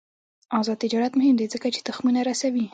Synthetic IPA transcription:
ɑzɑd̪t̪ɪd͡ʒɑɾat̪mʊhɪmd̪ezəkat͡ʃe̥t̪ʊxmunaɾasawi

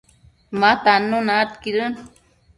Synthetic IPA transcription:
mat̪anːonat̪kiɾən

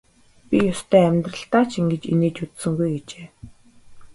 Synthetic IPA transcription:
pʲijʊst̪ʰæːæmʲt̪rə̆ɬt̪aːt͡ɕʰiŋɡĕt͡ɕḛneːt͡ɕut̪sɘ̆ŋɡujɡet͡ɕeː

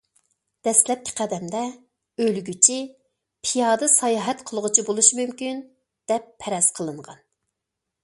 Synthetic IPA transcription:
d̪̥ɛslɛp̚kʲʰi̥qʰæd̪ɛmd̪ɛ | ølɡʲyt͡ʃʰi | pʰijɑːd̪ɨsɑjɑːɦɛt̪qʰəlˠʁʊt͡ʃʰibolˠuʃmymkʲyn | d̪̥ɛpʰːɛɾɛsqʰəlˠɨɴʁɑ̰n

